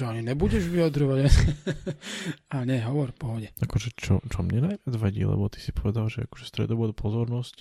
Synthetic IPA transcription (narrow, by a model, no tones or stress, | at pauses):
aɲinɛbuɟɛʒʋijad̪ɾɔʋaɟa | aɲɛɦɔʋɔɾpɔɦɔɟɛakɔʒɛt͡ʃɔ̰t͡ʃɔmɲɛnajʋɪad͡zʋaɟḭːlɛ̰bɔt̪i̥si̥pɔʋɛd̪alʒɛa̰kɔ̥ʒɛst̪ɾɛ̰d̪ɔbɔd̪apʰɔzɔɾnɔsc